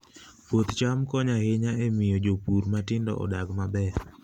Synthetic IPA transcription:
pot̪t͡ʃamkɔɲahɪɲaemɪjɔd͡ʒopuɾmatɪndɔ̰ʔɔ̰daɡmabɛ

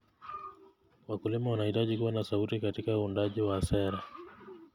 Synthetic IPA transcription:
wakulimawanahitaʄikuwanasautikatikauːndaʄiwasɛɾa

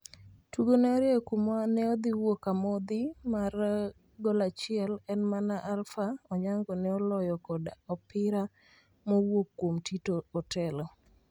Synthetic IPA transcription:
tuɡonɛɔɾjɛkumanɛɔd̪iwokamɔd̪ɪmar | ɡɔlat͡ʃɪɛlɛnmanaʔalfaɔɲaŋɡɔnɛɔlɔjɔkɔdɔpɪɾa | mowokːwomtitoɔtʰɛlɔ

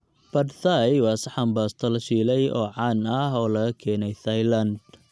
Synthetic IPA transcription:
b̥ɐdsajwɑːsɐħɐmbaːst̪ʰɐlɐʃiːlɛjʔɔ̰ːʕɑːnɐɦɔːlɐɣɐkʰɛːnɛjt̪ɐjlɐnd̪̚

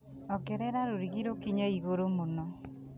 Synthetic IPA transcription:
ɔkɛɾɛɾaɾoɾiɣiɾokiɲaiɣoɾomono

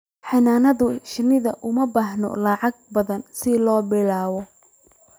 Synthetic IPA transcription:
ħɑnaːnɐðʊʃɪnɪðɐʔʊmɐbaːħnɔ̰lɐʕɑɡ̚bɐðɐnsɪlɔːbɪlaːβɔ

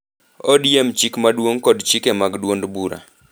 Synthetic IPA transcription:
odjemt͡ʃikmadwoŋkɔdt͡ʃikɛmaɡdwondbuɾa̰

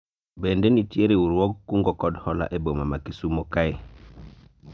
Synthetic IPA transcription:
bendenitieɾewuɾwoɡ̚kuŋɡokodhola̰ʔebomamakisumokaje

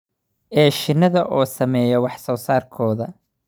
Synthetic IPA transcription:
ɛːʃɪnːɐðɐʔɔːsɐmɛːjɐwɑħsɔːsaːrkʰɔːðɐ

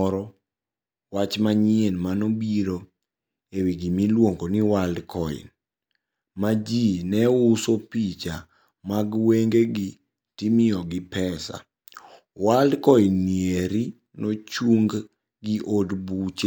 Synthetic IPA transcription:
ɔɾɔ | wat͡ʃmaɲɪenmanobiɾo | ewiɡimilwoŋɡoniwaldkɔɪ̰n | mad͡ʒinɛusopit͡ʃa | maɡweŋɡeɡi | timɪɔɡɪpɛsa̰ | waldkɔinːieɾi | not͡ʃuŋɡ | ɡiʔodbut͡ʃ

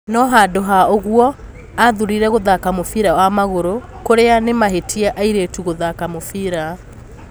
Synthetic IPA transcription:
nɔɦadoɦaoɣwɔ | aðuɾiɾɛɣoðakamofiɾawamaɣoɾo | koɾeanemaɦetʰiaʔaiɾeːtuɣoðakamofiɾa

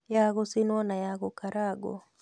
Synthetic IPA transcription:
jaɣosɪnwɔnajaɣɔkaɾaɡo̰

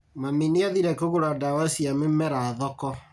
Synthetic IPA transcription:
maminiaðiɾɛkoɣoɾadawasiamemɛɾaðɔkɔ

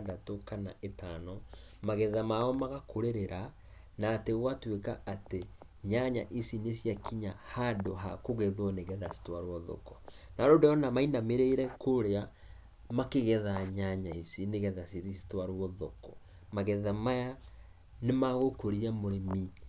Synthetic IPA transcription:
datokana̰ʔetanɔ | maɣɛðamaɔmaɣakoɾeɾeɾa | naːteɣwatwekaate | ɲaɲa̰ʔisinesjakiɲahadoɦa̰koɣɛðwɔneɣɛðasi̥twaɾwɔðɔ̰kɔnaɾoːndɔɔnamainameɾeiɾɛkoɾea | makeɣɛðaɲaɲaisineɣɛðasiisi̥twaɾɔðɔkɔ̥ | maɣɛðamaja | nemaɣokoɾiamoɾemi

